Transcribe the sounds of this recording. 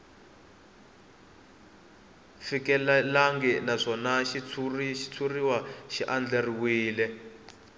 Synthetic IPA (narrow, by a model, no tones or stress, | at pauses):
fikɛlɛlaŋɡɛnaʂɔnaʃit͡sʰuriʃi̥t͡sʰuriwaʃiʔand͡ɮeriwiːlɛ